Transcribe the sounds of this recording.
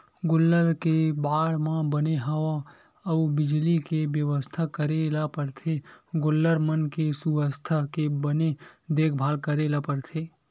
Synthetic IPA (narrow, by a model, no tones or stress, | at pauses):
ɡʊlːəɾkebaːɽmãbəneɦəʋa | əubɪd͡ʒlikebjəʋəst̪ʰakəɾelapəɾt̪ʰeɡolːəɾmənkesuəst̪ʰakebəned̪ekʰbʱaːlkəɾelapəɾt̪ʰe